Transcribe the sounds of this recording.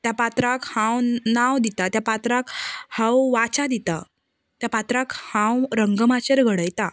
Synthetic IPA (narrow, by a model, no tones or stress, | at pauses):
t̪japat̪ɾakhãwnawd̪it̪at̪japat̪ɾakhãwʋat͡ɕad̪it̪a | t̪japat̪ɾakhãwɾəŋɡəmat͡ɕeɾɡʱəɽəjt̪a